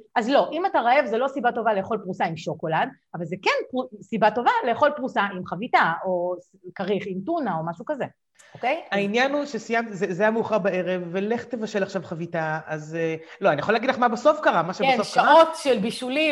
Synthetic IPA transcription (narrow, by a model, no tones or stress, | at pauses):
azlo̞ʔimataʁaevzelo̞sibato̞vale̞eχo̞lpʁusaimʃoko̞lad̪ | avalze̞kenpʁusibato̞valeːaχo̞lpʁusaʔimχavitaoskaʁiχimtunao̞maʃukaze̞ | okejainjanuʃesijamt̪izezajameuχaʁbae̞ʁevːele̞χt̪evaʃe̞laχʃavχavitaazeloanijaχolːaɡidlaχmabaso̞fkaʁamaʃebesoffʃkaotʃelbiʃuli